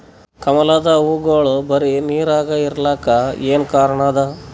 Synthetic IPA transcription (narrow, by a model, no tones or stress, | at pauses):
kɐmɐlɐd̪ɐuːɡoːɭubɐɾiniːɾaːɡɐiɾɐlaːkɐeːnkaːɾɐɳaːd̪ɐ